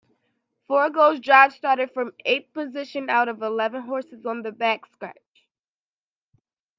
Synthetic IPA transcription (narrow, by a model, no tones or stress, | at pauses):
fɔɹɡoʊzd͡ʒɑbz̥stɑɹɾɨd̥fɹʌ̃meɪt̪̚pɨzɪʃɨ̃naʊɾʌvəlɛvə̃nɦɔɹsɨzn̩ðɨbækskɹæ̰t͡ʃ